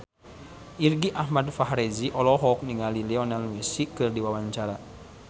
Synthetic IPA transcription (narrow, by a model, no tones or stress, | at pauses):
ʔirɡiʔahmadfaɦɾɛziʔɔlɔɦɔk̚niŋalilɛɔnalwesikɨrdiwawaɲt͡ʃaɾa